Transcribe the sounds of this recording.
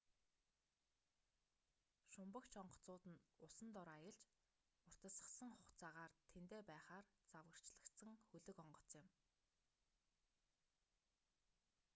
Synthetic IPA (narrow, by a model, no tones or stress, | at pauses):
ʃʊmpə̆kt͡ɕʰɔɴɢɞ̆t͡sʊːt̪ɘ̆nʊsə̆nt̪ɔɾaːjə̆ɮt͡ɕ | ʊr̥t̪ə̆sə̆sə̆ŋχʊχt͡saːʁaːrt̪ʰent̪eːpæːχaːrt͡sawɣə̆r̥t͡ɕɮə̆kt̪sə̆ŋxɵɮɵ̆kɔɴɢɞ̆t͡sɪ̆m